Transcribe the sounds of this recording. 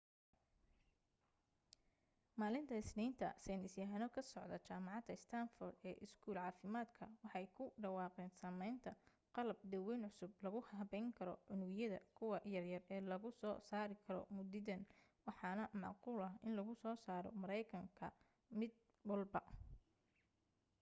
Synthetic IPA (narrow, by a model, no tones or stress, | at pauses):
maːlɪnt̪ʰɐɪsniːnt̪ʰɐ̰sɛnɪsjɐɦɐnɔkʰɐsɔʕd̪ɐt͡ʃaːmɑʕɑd̪ɐɪst̪ʰanfɔːrd̪ɛːʔɪskʰuːlʕɑːfɪmaːd̪kʰɐwɑħɑjkʰʊɖɐwɑːqɛːnsɐmɛjnt̪ʰɐ | qɑlɐb̚d̪ɐwɛːnʕʊsʊb̚lɐɣʊhɦɐβɛjŋkʰɐɾɔ̰ʕʊnʊɣjɐðɐ̰kʰʊwɑjɐrjɐrɛːlɐɣʊsɔːsaːɾɪkʰɐɾɔ̰mʊd̪ɪðɐnwɑħɑːnɐmɑ̰ʕquːlɐɦɪnlɐɣʊsɔːsaːɾɔ̰mɐɾɛjkʰɐŋkʰɐ̰ | mɪd̪̚ | bɔlbɐ